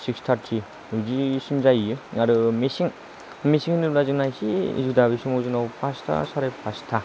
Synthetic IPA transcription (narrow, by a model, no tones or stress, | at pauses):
sikstʰaɾtʰi | ɯzisimzajjɯŋaɾɯmesiŋ | mesiŋnɯlazɯŋnajsiḭzudaβisumɔzɯnawpʰastʰa̰saɾajpʰastʰa